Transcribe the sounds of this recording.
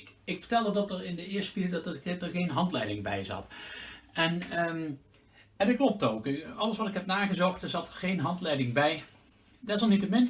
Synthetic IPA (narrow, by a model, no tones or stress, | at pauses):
kɪkfə̥ɹtɛlˠdədɑtərɪndəɪːstpidɑtəɪtəχejnɦɑntlɛjdɪŋbɛ̰jzɑ̰t | ɛnə | ɛdɑtklɔp̚towkɑlˠəsʋɑtɪkɦɛpnaːɣəzɔxtəzɑtχejnɦɑntlɛjdɪŋbɛj | dɛsɔlˠnitəmɪn